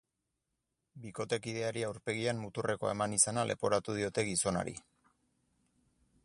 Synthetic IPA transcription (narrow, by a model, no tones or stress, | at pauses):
biko̞t̪e̞kiðe̞aɾiawɾpe̞ɣ̞iammut̪ure̞ko̞̰e̞̰manisanalʔe̞̰po̞ɾat̪uð̞io̞t̪e̞ɣiso̞na̰ɾḭ